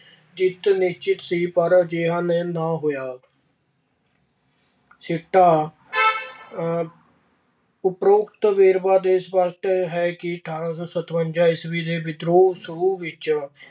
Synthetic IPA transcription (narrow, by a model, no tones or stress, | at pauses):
d͡ʒɪt̪nɪʃt͡ʃɪt̪siːpəɾd͡ʒeɦãːneːnãːɦoːjaː | sɪʈːaː | ʊpɾoːkt̪ʋeːɾbaːd̪eːsbəʈɦɛːkɪʈʰãːssət̪ʰʋəɲd͡ʒaːɪsʋiːd̪eːbɪd̪ɾoːsəɾuːʋɪt͡ʃ